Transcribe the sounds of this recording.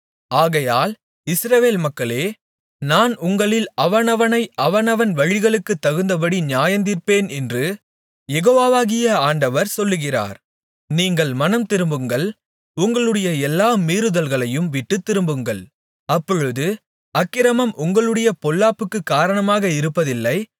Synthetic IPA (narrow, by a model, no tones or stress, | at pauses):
aːɣɐjaːl | ɪsɾɐʋeːlmɐkːɐɭeː | naːnʊŋɡɐɭɪlɐʋɐnɐʋɐnɐɪʔɐʋɐnɐʋɐnʋɐɻɪɣɐɭɯkːɯt̪ːɐɣɯnd̪ɐp̬ɐɽiɲjaːjɐnd̪iːɾpeːnɛndrɯ | jɛɣoːʋaːʋaːɣɪjɐaːɳɖɐʋɐɾsɔlːɯɣɪra̰ːɾ | niːŋɡɐɭmɐnɐmt̪ɪɾɯmbɯŋɡɐɭ | ʊŋɡɐɭɯɽɐjɐɛlːaːmiːɾɯðɐlɣɐɭɐjɯmʋɪʈːɯt̪ːɪɾɯmbɯŋɡɐɭ | ɐpːɔɻɯðɯ | ɐkːɪɾɐmɐmʔʊŋɡɐɭɯɽɐjɐpɔlːaːpɯkːɯkːaːɾɐɳɐmaːɣɐɪɾɯpːɐðɪlːɐɪ